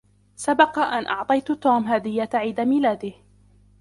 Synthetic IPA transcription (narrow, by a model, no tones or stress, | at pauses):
sabɑqɑʔanʔɑʕt̪ˤɑjt̪ʊt̪uːmɦaːd̪ɪjːat̪ʕiːd̪amilaːd̪ɪh